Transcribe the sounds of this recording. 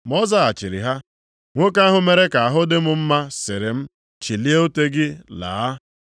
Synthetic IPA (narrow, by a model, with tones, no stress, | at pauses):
mɔ˦za˦a˨t͡ʃɪ˨ɾɪ̰˨ɦa˦ | ŋʷo˦ka˦a˦ɦʊ˦me˨ɾe˦ka˨a˨ɦʊ˦dɪ˦mʊ˨m̩˦ma˦sɪ˨ɾɪ˨m̩˦ | t͡ʃi˨li˦e˦o˦te˦ɡɪ˦la̰ː˨a˦